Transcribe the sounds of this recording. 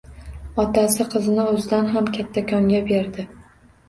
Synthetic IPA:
ɒt̪asɪqʰɨzɪnɪɵzɪd̪anɦamkʲʰat̪ʰːakʰʲɒŋɡʲabeɾd̪ɪ

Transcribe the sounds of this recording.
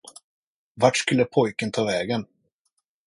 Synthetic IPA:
vaʈʂkɵlːəpʰɔjkənt̪ʰɑːvɛːɡən

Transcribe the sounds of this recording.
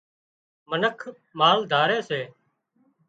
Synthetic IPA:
mənəkʰ | maːld̪ʱaːɾeːseː

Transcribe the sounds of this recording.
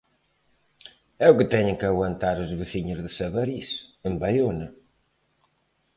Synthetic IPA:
ɛukɨt̪ɛɲɪŋkɨɐɣwɐnt̪aɾɐzβɨθiɲʊzðɨsɐβɐɾisɨmbɐjonɐ

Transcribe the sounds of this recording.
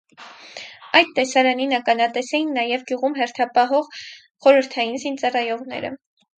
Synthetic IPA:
ɑjd̪t̪ɛsɑɾɑninəkɑnɑt̪ɛsɛjinːɑjɛvɡjuʁumɦɛɾt̪ʰɑpɑɦɔʁ | χɔɾəɾt̪ʰɑjinzint͡sɑrɑjɔʁn̪ɛ̰ɾə̰

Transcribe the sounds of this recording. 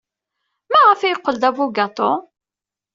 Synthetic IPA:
mæʁəfæjəqːəld̪ævuɡɑt̪ˤo

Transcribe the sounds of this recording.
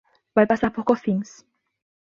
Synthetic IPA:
bajpasapokoθiŋs

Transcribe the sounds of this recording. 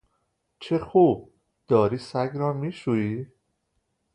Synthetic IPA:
t͡ʃʰexuːb̚ | d̪̥ɒːɾiːsæɡɾɒːmiːʃuiː

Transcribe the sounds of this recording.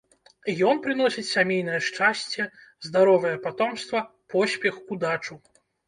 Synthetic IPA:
jɔnpɾɨnɔsʲit͡sʲsʲamʲejnɐjɛʂt͡ʂasʲt͡sʲɛzd̪aɾɔvɐjɛpat̪ɔmst̪vɐ | pɔsʲpʲɛxkud̪at͡ʂu

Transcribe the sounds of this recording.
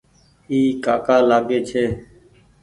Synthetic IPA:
iːkaːkaːlaːɡeːt͡ʃʰeː

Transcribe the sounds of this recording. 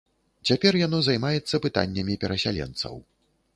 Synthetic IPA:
t͡sʲapʲɛrjan̪ɔzajmajɛt̪sːɐpɨt̪a̰nʲːɐmʲipʲɛɾɐsʲa̰lʲɛ̰nt̪sɐ̰w

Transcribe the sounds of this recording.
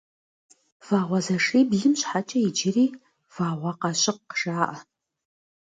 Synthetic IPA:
v̥aːʁʷɐzɐʂiːbɮɪmɕħat͡ʃʼɐid͡ʒɪriː | v̥aːʁʷɑqɑʃɪqːʂaːʔa

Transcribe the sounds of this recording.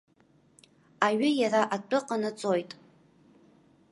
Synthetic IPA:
aɥʏjaɾaʔatʼʊqʼanɨt͡sʼo̞jtʼ

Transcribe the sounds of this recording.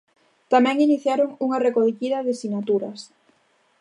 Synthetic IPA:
t̪amɛ̃ŋiniθjaɾoŋuŋɐrekokiðɐðɪsinat̪uɾɐ̰s

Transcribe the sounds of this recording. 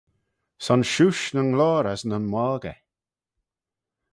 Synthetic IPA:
sɔnʃuʃnəŋlɔːɾaznənmɔlɡɛ̰

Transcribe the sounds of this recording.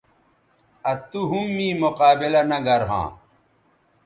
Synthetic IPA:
ɐt̪uɦumːĩːmoqaːbilɐnɐɡɐɾɦã̰ː

